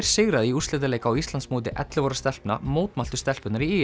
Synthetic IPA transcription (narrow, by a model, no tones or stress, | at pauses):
ɾ̥sɪɣɾaðɪiuslɛːt̪aleːjkawist̪ant̪smoːt̪̬ɪʔɛ̰t̪lɪvoːɾast̪ɛl̥pna̰moːwt̪malt̪ʏ̥st̪ɛlpʏt̪naɾiiː